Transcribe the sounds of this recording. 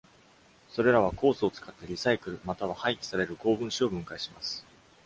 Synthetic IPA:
so̞ɾe̞ɾaβ̞ako̞ːsɨo̞t͡sɨ̥kat̪ːe̞ɾʲisaikɯ̟ɾɯ̟mat̪aβahaikʲi̥saɾe̞ɾɯ̟ko̞ːbɯ̟̃ɰ̃ɕio̞bɯ̟̃ŋkaiɕimasɨ̥

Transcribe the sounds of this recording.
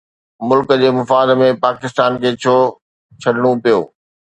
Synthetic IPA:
mʊlkəd͡ʑeːmʊfaːd̪mẽpaːkɪst̪aːnkʰeːt͡ɕʰoː | t͡ɕʰɐɗɪɽ̃opijo̰ː

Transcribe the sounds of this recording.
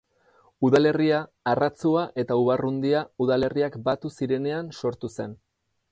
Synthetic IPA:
uðale̞riaː | rat͡suaʔe̞t̪auβarund̪iauðale̞riakbat̪usiɾe̞ne̞anso̞ɾt̪use̞n

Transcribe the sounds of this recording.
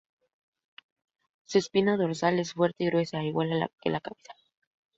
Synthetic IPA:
sespinaðo̞ɾsale̞sfwe̞ɾt̪eiɣɾwe̞saiɣwala̰kḛlakaβesḁ

